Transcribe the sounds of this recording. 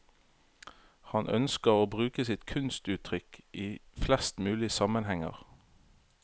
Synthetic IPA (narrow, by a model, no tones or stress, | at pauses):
hɑnʔœ̰nskəʁoːbʁʉːkəsɪt̪kʰʉnst̪ʉːt̪ʰʁʏkʔiːflɛst̪mʉːlɪəsɑmənhɛŋə̰ʁ